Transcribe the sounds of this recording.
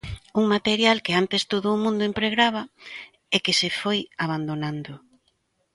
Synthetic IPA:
uŋmat̪eɾjalkeant̪est̪oðʊːmũnd̪ʊimpɾeɣɾaβ̞a | ekɪsefojaβ̞and̪onãnd̪ʊ

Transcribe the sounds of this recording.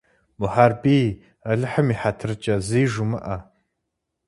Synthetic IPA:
bʊħaːrbiː | ɐɮɨħəmiħatʰrɨt͡ʃʼɐziːʒumɨ̰ʔɐ

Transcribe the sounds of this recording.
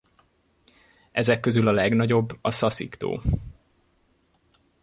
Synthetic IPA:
ɛzɛkːøzylɒlɛɡnɒɟo̞bːɒsɒsḭkt̪o̰ː

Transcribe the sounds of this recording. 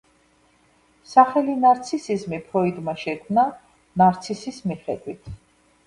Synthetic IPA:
saχɛlinaɾt̪sʰisizmipʰɾɔid̪maʃɛkʰmna | naɾt̪sʰisismiχɛd̪wit̪ʰ

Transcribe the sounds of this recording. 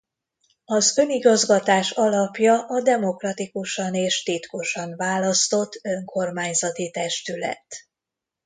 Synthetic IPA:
ɒzø̞niɡɒzɡɒt̪aːʃɒlɒpjɒʔɒd̪ɛmo̞krɒt̪ikuʃɒneːʃt̪it̪ko̞ʃɒnvaːlɒst̪o̞t̪ːøŋkʰo̞rmaːɲzɒt̪it̪ɛʃt̪ylɛ̰t̪

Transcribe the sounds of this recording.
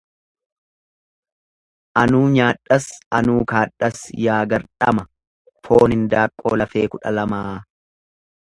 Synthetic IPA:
ʔɐnuːɲaːᶑːɐsɐnuːkaːᶑɐsjaːɡɐɾᶑɐmɐ | fʰo̞ːnɪnd̪aːkʼːo̞̰ːlɐfeːkʊᶑɐ̰lɐmaː

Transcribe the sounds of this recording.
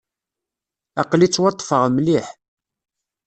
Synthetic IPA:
ɑqlit͡sːwɑt̪ˤːfəʁmliħ

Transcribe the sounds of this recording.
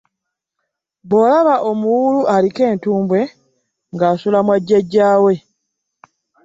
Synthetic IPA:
βo̞laβaʔo̞muwuluʔalike̞ːntuːmbwe̞ | ŋɡaːsulamwaɟːeɟːaːwe̞

